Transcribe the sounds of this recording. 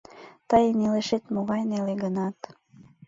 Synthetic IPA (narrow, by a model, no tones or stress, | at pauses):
t̪əjnileʃet̪moɣɑjneleɣənɑt̪